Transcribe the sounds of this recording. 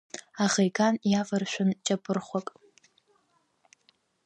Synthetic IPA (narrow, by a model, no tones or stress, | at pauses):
aχejkʰanjafarʃᶣʷʊnt͡ʃʼapʼɨrχʷakʼ